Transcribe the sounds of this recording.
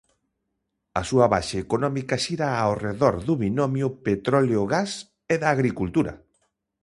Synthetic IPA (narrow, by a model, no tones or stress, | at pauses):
ɐsuɐβa̰ʃeːkonɔmikaʃiɾaːwreðɔɾðuβinomjʊpet̪ɾɔleoɣas | eðaːɣɾikult̪uɾɐ̰